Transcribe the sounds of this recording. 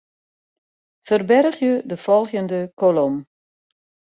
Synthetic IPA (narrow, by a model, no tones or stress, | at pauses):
fərbɛrəχjədəfɔlˠxjəndəkʰolom